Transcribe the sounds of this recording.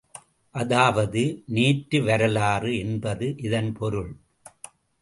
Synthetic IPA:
ʔɐðaːʋɐðɯniːʈɾɯʋɐɾɐlaːrɯɛnbɐðɯʔɪðɐnpʰɔɾɯɭ

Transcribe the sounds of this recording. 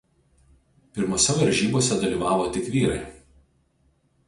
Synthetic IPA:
pʲɪɾmoːsʲɛʋɐɾʲʒʲiːboɔsʲɛd̪ɐlʲiːˑʋɑːʋoːt̪ʲɪkʋʲiːɾɐɪ

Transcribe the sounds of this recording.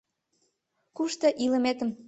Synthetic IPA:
kuʃt̪ɤʔilə̆met̪ə̆m

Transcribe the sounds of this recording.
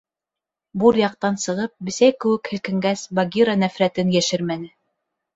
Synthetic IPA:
buɾjɑq̚t̪ɑnsɤ̆ʁɤp̚bɘ̆sæjkɘ̆wɘ̆khɘ̆lkɘ̆ŋɡæsbaɡʲiɾanæfɾæt̪ɘnjæʃɘɾmænɘ

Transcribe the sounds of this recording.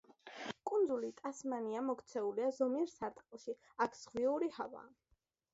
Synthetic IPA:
kʼund̪zulit̪ʼasmaniamɔkʰt̪sʰɛuliazɔmiɾsaɾt̪ʼqʼilˠʃi | akʰz̥ʁwiuɾihava̰ː

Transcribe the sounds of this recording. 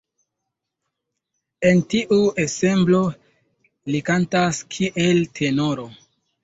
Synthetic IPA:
e̞ntiʔue̞se̞mblo̞ | likantaskʰiʔe̞ltʰe̞noɾo̞

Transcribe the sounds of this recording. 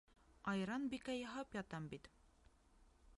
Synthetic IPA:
ɑjɾɑnbikæjɑɦɑpjɒt̪ɑmbit̪

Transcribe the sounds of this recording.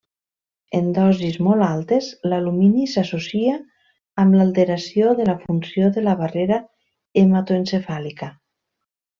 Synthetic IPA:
end̪ɔzizmɔlˠalˠt̪ezlaluminisasosiaː | mlalˠt̪eɾasioðəlafunsioðəlaβareɾa | emat̪oensefalika

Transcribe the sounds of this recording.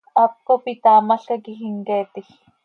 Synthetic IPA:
ap̚kopit̪aːmaɬkakixiŋkeːt̪ix

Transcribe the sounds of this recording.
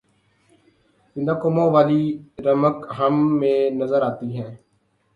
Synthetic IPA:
bɪnãːkoːmõːʋaːliːɾəməkɦəmːẽːnəzəɾaːt̪iːɦɛ̃ː

